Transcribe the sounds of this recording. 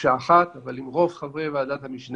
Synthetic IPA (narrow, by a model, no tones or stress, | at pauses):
ʃaːχat̪avalimʁo̞vχavʁevead̪at̪hamiʃn